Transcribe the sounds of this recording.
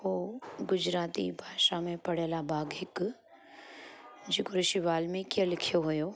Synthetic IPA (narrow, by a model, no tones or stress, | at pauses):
ɦoːɡʊd͡ʒɾaːt̪ibʱaːʃamẽpɐɽ̤elabʱaːɡɦɪk | d͡ʒeːkoɾɪʃiʋaːlmẽkijə̃lɪkʰjoɦʊjoː